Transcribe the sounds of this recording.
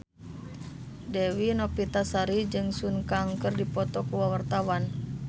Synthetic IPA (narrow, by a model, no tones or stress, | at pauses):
dɛwinɔpit̪asaɾid͡ʒɨŋsunkaŋkɨrdipɔt̪ɔkuwawart̪awan